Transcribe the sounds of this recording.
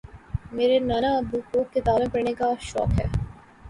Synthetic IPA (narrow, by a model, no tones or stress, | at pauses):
meːɾenaːnaəbʱukoket̪aːlɪ̃pɐɾnekaʃɔ̰ːkɦɛ̰ː